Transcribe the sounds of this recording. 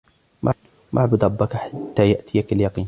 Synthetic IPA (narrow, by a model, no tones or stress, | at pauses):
mʔa | mʔa̰ʕbʊd̪ɾˤɑbːakaħat̪ːaːjaʔt̪ʰɪjakaljɑqiːn